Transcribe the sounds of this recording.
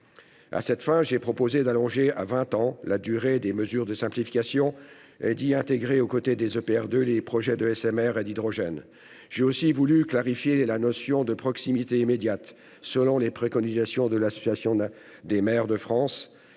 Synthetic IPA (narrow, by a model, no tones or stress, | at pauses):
a̰sɛt̪fɛ̃ʒepχɔpozed̪alɔ̃ʒea̰vɛ̃t̪ɑ̃lad̪yʁed̪eməzyʁd̪əsɛ̃plifikasjɔ̃ | ɛd̪iɛ̃t̪eɡʁeokot̪ed̪ezøpeɛʁd̪ølepχɔʒɛd̪əɛsɛmɛʁed̪id̪ʁɔʒɛn | ʒ̥eosivulyklaʁifjelanɔsjɔ̃d̪əpχɔksimit̪eimed̪jat̪ | səlɔ̃lepχekɔnizasjɔ̃d̪əlasɔ̥sjasjɔ̃ | d̪emɛʁd̪əfχɑ̃s